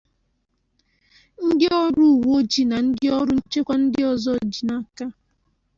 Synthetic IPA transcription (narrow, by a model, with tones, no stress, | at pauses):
ŋ̩˦dɪ˦ɔ˦ɾu˦˨wo˦d͡ʒi˨na˨n̩˦dɪ˦ɔ˦ɾʊ˦n̩˦t͡ʃe˦kʷa˦n̩˦dɪ˦ɔ˨zɔ˦d͡ʒi˨na˦ka˦